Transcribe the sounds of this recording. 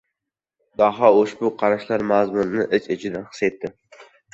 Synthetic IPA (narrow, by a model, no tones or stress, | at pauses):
d̪̥ɒɦɑoʃbʊqʰɑɾaʃlaɾmazmʊnɪnɪʔɪt͡ʃɪt͡ʃʰɪd̪anχɨ̥set̪ʰːɪ